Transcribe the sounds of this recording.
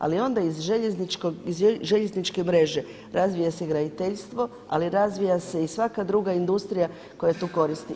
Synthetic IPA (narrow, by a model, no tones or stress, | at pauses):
a̰lio̞nd̪aizʒeʎenit͡ʃkoizʒeʎe̞znit͡ʃke̞mɾe̞ʒe̞ | ɾazʋijaseɡɾad̪it̪eʎst̪ʋo̞ | a̰liɾazʋijase̞isʋakad̪ɾuːɡaind̪ust̪ɾija | ko̞jat̪uːko̞ɾist̪i